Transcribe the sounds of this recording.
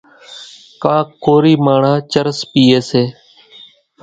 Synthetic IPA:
kãːkʰoːɾiːmaːɳ̤ãːt͡ʃəɾspiːeːseː

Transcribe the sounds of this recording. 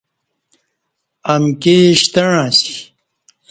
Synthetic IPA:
ɐmkeɕt̪ɐɻãːsi̥

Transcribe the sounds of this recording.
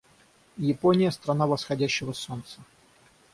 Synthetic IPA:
jɪponʲɪjəst̪ɾɐnavəsxɐdʲæɕːɪvəso̞nt̪sə̥

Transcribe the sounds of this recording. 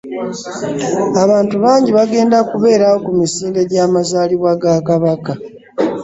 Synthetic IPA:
aβaːntuβaːɲɟiβaɡe̞ːndakuβe̞ːɾawo̞kumisiːnde̞ɟaːmazaːliβwaɡakaβaka

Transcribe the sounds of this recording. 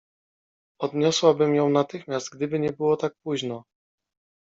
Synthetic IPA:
ɔd̪ɲɔswabɘmjɔ̃w̃nat̪ɘxmʲjast̪̚ɡd̪ɘbɘɲɛbɘwɔt̪ak̚puʑnɔ

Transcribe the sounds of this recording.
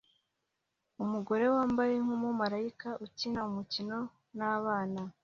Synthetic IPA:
umuɡo̞ɾe̞waːmbaje̞ŋ̥umumaɾaikaʔucinaumucino̞ | naβaːna

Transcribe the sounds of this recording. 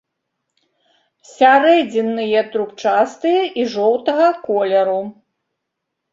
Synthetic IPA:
sʲaɾɛd͡zʲɛnːɨjɛt̪ɾupt͡ʂast̪ɨjɛʔiʐɔwt̪ɐɣɐkɔlʲɛɾu

